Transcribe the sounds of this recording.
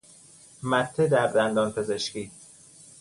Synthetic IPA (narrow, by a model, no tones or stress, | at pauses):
mæt̪ʰːed̪æɾd̪ænd̪ɒːnpʰeze̞ʃkiː